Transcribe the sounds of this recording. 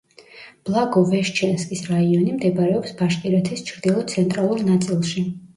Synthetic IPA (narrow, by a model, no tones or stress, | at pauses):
b̥lˠaɡɔvɛʃt͡ʃʰɛnskʼisɾaiɔnimd̪ɛbaɾɛɔpsbaʃk̪ʼiɾɛt̪ʰist͡ʃʰɾd̪ilˠɔt̪sʰɛnt̪ʼɾalˠuɾnat̪sʼilˠʃi